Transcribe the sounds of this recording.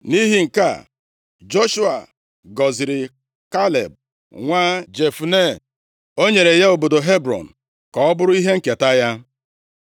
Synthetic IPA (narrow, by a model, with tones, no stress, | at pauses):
ni˦ɦi˨ŋ̩˨ka̰˦˨ | d͡ʒo˦ʃu˦a̰˨ | ɡɔ˨zi˨ɾɪ˨ | ka˦lḛ˨b̚ | ŋʷa˦d͡ʒe˨fu˨ne˦˨ | o˦ɲe˨ɾe˨ja˦o˨bo˨do˨ɦe˦bɾɔ̰˨n̩˨ | kɔ˨ɔ˦bʊ˦ɾʊ˦i˦ɦe˦ŋ̩˨ke˨ta˦ja˦